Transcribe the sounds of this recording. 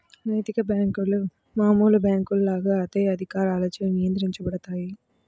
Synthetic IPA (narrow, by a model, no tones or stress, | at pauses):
nɐjt̪ikɐbjaːŋkul | maːmuːlɐbjaːŋkuɭlːaːɡɐɐt̪ɐjɐd̪ʱikaːɾaːloːt͡ʃːɐnɪjɐnd̪ɪɾiɲt͡ʃɐpɐɽɐt̪aːji